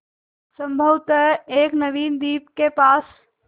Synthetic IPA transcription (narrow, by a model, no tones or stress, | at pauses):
sə̃mbʱəwt̪əɦeːknɐʋiːnd̪iːp̚kepaːs